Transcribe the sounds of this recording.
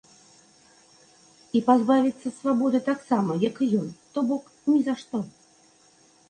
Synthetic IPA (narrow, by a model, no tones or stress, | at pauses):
ipazbavʲit̪sːɐsvabɔd̪ɨt̪aksamɐjɐkɨjɔnt̪ɔbɔk | nʲizaʂt̪ɔ